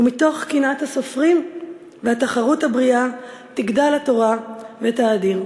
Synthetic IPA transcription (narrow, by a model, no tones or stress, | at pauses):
umito̞χkinathaso̞fʁim | vehataχaʁuthabʁiat̪iɡdalhato̞ʁavetaːdiʁ